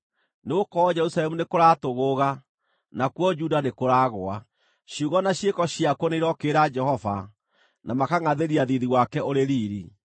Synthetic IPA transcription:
neokɔd͡ʒɛɾusaɾɛmunekoɾaːtoɣoɣa | nakwɔd͡ʒudanekoɾaːɣoa | ɕiuɣɔnaɕjekɔɕjakwɔneiɾɔkeːɾad͡ʒɛhɔva | namakaŋaðeɾiaðiðiwakɛoɾeɾiːɾi

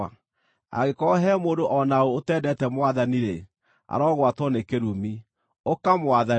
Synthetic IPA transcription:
a | a̰ɣekɔɦɛmoːdoʔɔnaoːtɛːdɛtɛmwaðaniɾe | a̰ɾɔɣwatwɔnekeɾumi | okamwaða

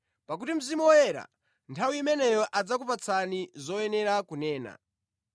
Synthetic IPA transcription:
pak̬utim̩zimuwɔjɛɾa̰ | ntʰawiːmɛnɛjɔʔad͡zakupat͡sʰanizɔjɛnɛɾakunɛːna̰

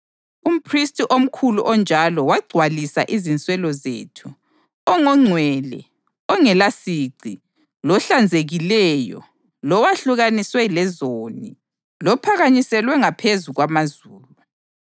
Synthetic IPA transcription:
um̩pʰristʼiʔom̩kʰuluʔɔnd͡ʒʱalɔwaɡ͡ǀʱwalisa̰ʔizint͡sʼwɛlɔzḛtʰu | ɔŋɔŋ͡ǀʱwɛlɛ̰ | ɔŋɛlasiǀʱi | lɔɬand͡zʱeɣilɛjɔ̰ | lɔwaɬuɣaniswɛlɛzoni | lɔpʰaɣaɲisɛlwɛŋapʰezuɣwamazuːlu

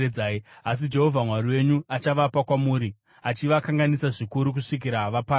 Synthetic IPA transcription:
ed͡zaːias̬id͡ʒe̞ɦo̞vʱamwaɾiwe̞ɲuat͡ʃaʋapakwamuːɾi | at͡ʃiʋakaŋɡanisaʐikuɾuk̬uʂik̬iɾaʋapa

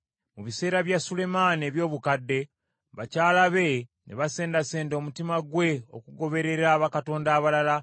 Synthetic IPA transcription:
muβise̞ːɾaβjasule̞maːne̞ːβjo̞ːβukadːe̞ | βacaːlaβe̞nʔeβase̞ːndase̞ːndo̞mutimaɡwe̞o̞̰kuɡo̞βe̞ɾe̞ɾaːβakato̞ːndaːβalala

